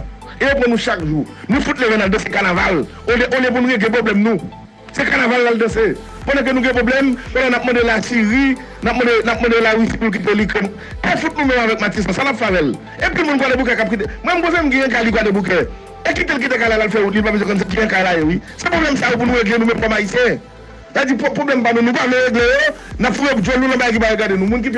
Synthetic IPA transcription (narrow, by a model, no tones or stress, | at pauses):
eopʁɐ̃nũʃakʒu | nũfut̪levɛ̃nald̪̃sekanaval | oleʔolɛp̬unũɣeɡlẽp̬ʁoblɛmnũ | sekanavalːald̪ɐ̃se | kɔ̃nɛ̃k̬ønũɡɛ̃poblɛmkɔ̃nɛnap̚mɔ̃d̪elasiʁi | nap̚mɔ̃denap̚mɔ̃d̪elawisi̥pulk̬it̪̬elikɛn | ɛfut̪̚nũmɛ̃mavɛk̚matisãsanapfavɛl | epilmũnkwadebuk̬ɛkap̚kit̬emwɛ̃mkõsɛ̃muɡɛ̃ɛ̃kalikwadebuk̬ɛ | ekitelk̬it̬ekalalalfɛut̪̚lilpabezwɛ̃kønusɡɛ̃ɛ̃kajlajowisepʁoblɛmsajop̬unũɣeɡlenũmɛ̃mkɔmaisijɛ̃ | saved͡zippoblɛmpanũnũpavɛ̃ɣeɡlejo | napfuvepud͡ʒwolulɔ̃bajek̬ipajeɡadenũmũnk̬it̬